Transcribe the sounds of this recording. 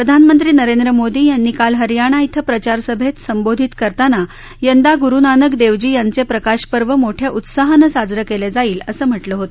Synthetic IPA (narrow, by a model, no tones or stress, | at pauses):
pɾəd̪ʱanmənt̪ɾiːnəɾend̪ɾəmod̪iːjanːiːkalɦəɾjaɽ̃ait̪ʰəpɾət͡ɕaɾsəbʱet̪səmbod̪ʱit̪kəɾt̪ana | jənd̪aɡuɾunanəkd̪eʋd͡ʑiːjant͡sepɾəkaɕpəɾʋəmoʈʰjaʔut̪saɦənəsad͡zɾəkeled͡zaiːləsəːm̤əʈləːɦot̪